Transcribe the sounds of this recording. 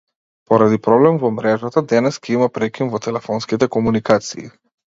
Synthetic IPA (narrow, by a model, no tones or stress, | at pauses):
pɔɾad̪ipɾɔblɛmvɔmɾɛʒat̪ad̪ɛnɛskɛimapɾɛkʲinvɔt̪ɛlɛfɔnskit̪ɛkɔmunikat̪siː